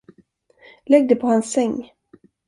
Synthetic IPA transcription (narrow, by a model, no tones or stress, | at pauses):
lɛɡ̚d̪əpʰɔhansːɛŋː